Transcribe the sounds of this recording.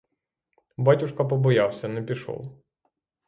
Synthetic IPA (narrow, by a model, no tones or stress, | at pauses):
batʲʊʃkɐp̬ɔbɔjawsʲɐnɛpʲiʃɔ̰w